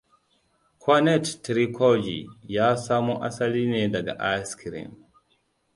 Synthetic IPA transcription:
kʰwanɛttːɾikʰɔd͡ʒḭjasaːmuʔa̰salinɛdaɡa̰ʔaskʰiɾḭm

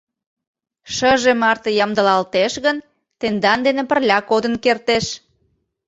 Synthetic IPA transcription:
ʃəʒemɑrt̪əjɑmd̪əlɑlt̪eʃɣən | t̪end̪ɑnd̪enepərlʲɑkod̪ənkert̪eʃ

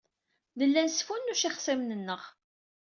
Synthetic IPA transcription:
ðəlːænsfunːuʃiχsæmnənːəʁ

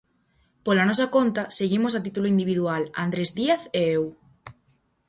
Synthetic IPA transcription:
polanɔsakont̪aseɣimosat̪it̪uloind̪iβiðuala̰nd̪ɾezðiaθeew

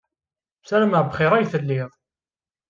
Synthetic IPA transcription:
sæɾæməʁbχɪɾˤæjθəlːɪðˤ

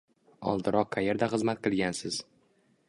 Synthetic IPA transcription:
ɒ̰lˠd̪ɪɾɒqʰːajeɾd̪aχɨzmat̪̚qʰɨlˠɡʲansɪz̥

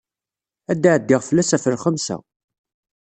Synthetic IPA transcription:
æd̪ːaʕəd̪ːɪʁfəlːæsæfəɾχəmsæ̰

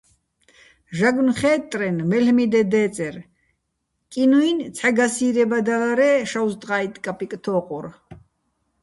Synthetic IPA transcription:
ʒaɡnχɛːt̪ʼɾɛnmɛlmid̪ɛd̪ɛːt͡sʼɛɾ | kʼinuint͡sʰaɡasiːɾɛbad̪alaɾɛːʃawzt̪ʼqaːit̪ʼkʼapʼikʼt̪ʰɔːqʼuɾ

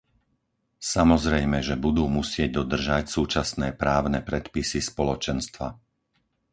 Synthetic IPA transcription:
samɔzɾɛjmɛʒɛbud̪uːmusɪɛɟ̚d̪ɔd̪r̩ʒacsuːt͡ʃasnɛːpɾaːʊnɛpɾɛt̪pisispɔlɔt͡ʃɛnst̪ʋa̰

